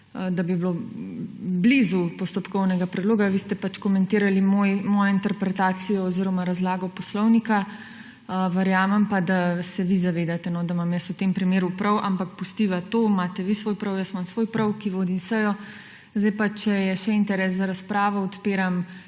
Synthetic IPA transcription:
d̪abiblo | blizupɔst̪ɔpkɔwnɛɡapɾɛd̪loːɡaʋist̪ɛpat͡ʃkɔmɛnt̪iːɾalimojmɔːjɔint̪ɛɾpɾɛt̪aːsijɔːziːɾɔmaɾazlaːɡɔpɔslɔwnika | ʋɛɾjaːmɛmpad̪asɛʋizaʋeːd̪at̪ɛnɔd̪amamjəsut̪empɾimeːɾupɾɔwʔampakpust̪iːʋat̪omaːt̪ɛʋisʋoːjpɾɔwjəst̪mamsʋoːjpɾɔwkiʋoːd̪insəjɔ | zd̪ɛjpat͡ʃɛjɛʃɛint̪ɛɾɛs̬zaɾaspɾaːʋɔɔt̪peːɾam

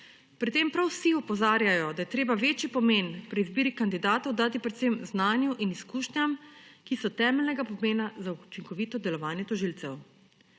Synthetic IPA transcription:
pɾit̪ːeːmpɾawsiɔpɔzaːɾjajɔd̪ajɛt̪ɾeːbaʋeːt͡ʃipɔmeːnpɾɛizbiːɾikand̪id̪aːt̪ɔwd̪aːt̪ipɾɛt̪semznaːnjuʔiniskuːʃnjamkisɔt̪ɛːmɛlnɛɡapɔmeːnazaut͡ʃiŋkɔʋiːt̪ɔd̪ɛlɔʋaːnjɛt̪ɔʒiːlt̪sɛw

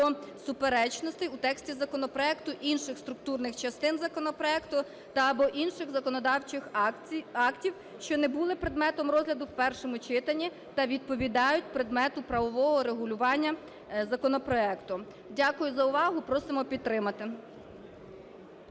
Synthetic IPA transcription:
ɔsʊpeɾɛt͡ʃnɔst̪ɪjut̪ɛksʲtʲizɐkɔnɔpɾɔɛkt̪ʊʔinʃɪxst̪ɾʊk̚t̪urnɪxt͡ʃɐst̪ɪnzɐkɔnɔpɾɔɛkt̪ʊ | t̪ɐːbɔʔinʃɪɣzɐkɔnɔd̪ɑwt͡ʃɪx | ɑktʲiw | ʃt͡ʃɔnɛbulˠɪpɾed̪mɛt̪ɔmɾɔzʲlʲɐd̪ʊwpɛrʃɔmʊt͡ʃɪt̪ɐnʲːi | t̪ɐʋʲid̪̚pɔʋʲid̪ɑjʊt̚ʲpɾed̪mɛt̪ʊpɾɐʋɔʋɔɦɔɾeɦʊlʲʊʋɑnʲːɐ | zɐkɔnɔpɾɔɛkt̪ʊ | dʲakʊjʊzɐʊʋɑɦʊpɾɔsɪmɔpʲid̪̚ɾɪmɐt̪ɪ

